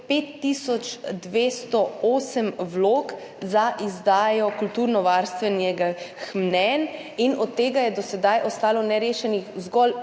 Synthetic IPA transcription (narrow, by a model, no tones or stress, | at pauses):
peːt̪ːisɔt͡ʃd̪ʋeːst̪ɔoːsəmwloːk | zaʔizd̪aːjɔkult̪uːɾnɔʋaɾst̪ʋɛnjɛɡaxmnɛn | inɔt̪ːeːɡajɛd̪ɔsɛd̪ajʔɔst̪aːlɔnɛɾeːʃɛnixzɡɔl